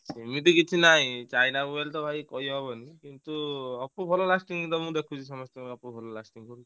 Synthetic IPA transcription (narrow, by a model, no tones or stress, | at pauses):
semit̪ikitʰinaɦĩt͡ʃajnauelt̪ɔbʱajkɔjɔɦɔbɔnikint̪uɔpubʰʱɔlɔlasʈiŋit̪ɔmũd̪ekʰut͡ʃʰisɔmɔst̪ɔmkɔpubʰʱɔlɔlasʈiŋkɔɾ